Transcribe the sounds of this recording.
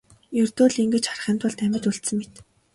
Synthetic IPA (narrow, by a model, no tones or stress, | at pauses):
jɵrt̪oːɮiŋɡɘ̆t͡ɕχarχəːnt̪ʊ̆ɮt̪æmʲɪ̆t̪uɬt̪sɘ̆ŋmet̪